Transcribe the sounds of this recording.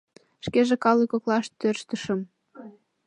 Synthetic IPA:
ʃkeʒekɑlikoklɑʃt̪ørʃt̪ə̆ʃə̆m

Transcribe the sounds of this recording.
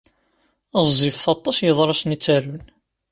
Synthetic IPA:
zːifθɑt̪ˤːɑsjəðˤɾˤɑsnit͡sːaɾʊn

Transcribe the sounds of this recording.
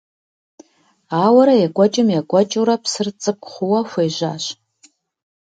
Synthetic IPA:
aːwɐɾɐjaɡʷɔt͡ʃʼɪmjaɡʷɔt͡ʃʼuɾapʰsɨrt͡sʼɨp̚χʷʊwɐxʷeːʒʷaːɕ

